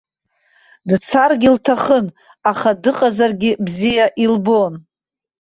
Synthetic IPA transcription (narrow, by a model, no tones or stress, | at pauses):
dt͡sʰarɡʲiltʰaχən | aχadɨqʼazarɡʲɪbzijaʔilbo̞n